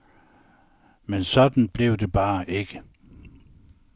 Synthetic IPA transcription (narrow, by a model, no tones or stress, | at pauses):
mensɒ̽d̥n̩b̥le̝ʊd̥e̝b̥ɑ̈ːʔe̝ɡ̥ə